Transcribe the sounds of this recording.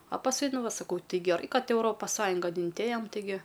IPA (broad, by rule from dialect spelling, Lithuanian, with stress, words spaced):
ɐ pɐsˈkʊɪ ˈnʊ ˈʋɐ sɐˈkɐʊ ˈtʲɪ ɡʲɛˈrɐɪ ˈkɐt ɛʊˈroːpɐs ˈsɑːjʊŋɡɐn ɪnʲˈtʲeːjɛm tʲɪˈɡʲɪ